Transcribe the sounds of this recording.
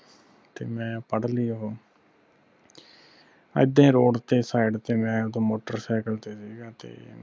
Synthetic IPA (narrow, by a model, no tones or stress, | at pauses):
t̪eːmɛ̃ːpəɽliːɦoː | ə̰ɪd̪ẽːɾoːɖt̪eːsaːɪɖt̪eːmɛ̃ːt̪õːmoːʈəɾsɛːkəlt̪eːsiːɡaːt̪ḛː